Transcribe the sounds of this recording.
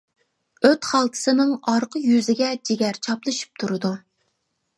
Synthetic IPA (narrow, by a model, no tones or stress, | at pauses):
øt̪χɑlˠt̪ʰɨ̥sɨnɨŋɑɾqʰəjyzɪɡʲɛd͡ʒeɡʲæɾt͡ʃʰɑplˠɨʃi̥p̚t̪ʰuɾɨd̪u